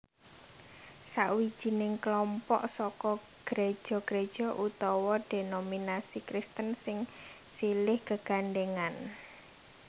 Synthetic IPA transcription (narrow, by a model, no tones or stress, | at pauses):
saʔwi̥ʒ̥i̤nɪŋklɔmpɔ̰ʔsɔkɔ | ɡ̥ɾe̥ʒ̥ɔ̤ɡ̥ɾed̥ʒ̥ɔ̤ʔut̪ɔwɔɖ̥enominasikɾɪst̪ənsɪŋ | silɪhɡ̥əɡ̥anɖeŋan